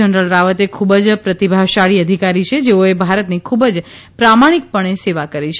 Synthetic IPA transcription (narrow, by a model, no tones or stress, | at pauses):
ənɾəlɾaʋət̪ekʰubəd͡ʒpɾət̪ibʱaʋʃaɭiəd̪ʱikaɾit͡ʃʰed͡ʒeoebʱaɾət̪nikʰubəd͡ʒ | pɾamaɽ̃ik̚pəɳ̃eseʋakəɾit͡ʃʰ